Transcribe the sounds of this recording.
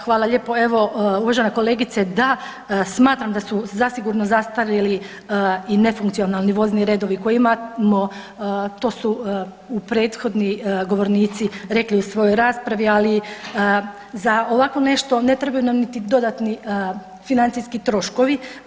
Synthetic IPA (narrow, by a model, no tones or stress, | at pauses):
xʋaːlˠaʎe̞ːpo̞e̞ʋo̞uʋaʒeneko̞le̞ːɡit̪sed̪a | smaːt̪ɾamd̪asuzasiɡuɾnozast̪alili | ine̞fuŋkt̪io̞nalˠniʋo̞zniɾed̪o̞ʋiko̞jimamo | t̪o̞ːsu | upɾe̞ːt̪xo̞d̪niɡo̞ʋo̞ɾniːt̪siɾe̞kliusʋo̞jo̞jɾaːspɾaʋiali | zaoʋakʋo̞ne̞ʃt̪o̞ne̞t̪ɾebajunamnit̪id̪o̞d̪at̪ni | finant̪sijskit̪ɾo̞ʃko̞ʋi